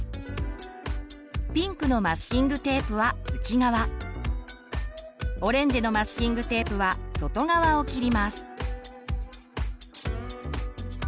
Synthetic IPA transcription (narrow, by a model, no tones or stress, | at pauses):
pʲĩŋkɯ̟no̞maskʲĩŋɡɯ̟t̪e̞ːpɯ̟βaɯ̟t͡ɕiɡaβa | o̞ɾẽ̞ɲ̟d͡ʑino̞masɨ̥kʲĩŋɡɯ̟t̪e̞ːpɯ̟βaso̞t̪o̞ɡaβao̞kʲiɾʲimasɨ̥